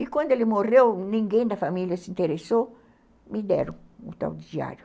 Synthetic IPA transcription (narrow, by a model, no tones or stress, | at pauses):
ɪkwɐ̃nd̪ʊelɪmorewnĩŋɡẽj̃d̪ɐfamiljɐsɪĩnt̪eɾeso | mɪd̪ɛ̰ɾõut̪a̰wd̪ɪd͡ʒia̰ɾjʊ